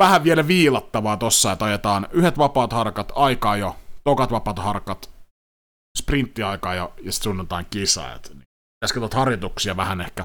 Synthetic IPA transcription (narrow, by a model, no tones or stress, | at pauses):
ʋæhæʋʋielæʋiːlɑt̪ːɑʋɑːt̪osːɑjet̪ɑjet̪ɑːnyhet̪ʋɑpɑːt̪hɑrkɑt̪ɑikɑːjot̪okɑt̪ʋɑpɑːt̪hɑrkɑt̪ | sprint̪ːiɑikɑːjɑjɑst̪sunːɑt̪ɑ̰ːŋkisɑ̰ḛt̪ni | esket̪ʋɑt̪hɑrjot̪uksiɑʋæhænehkæ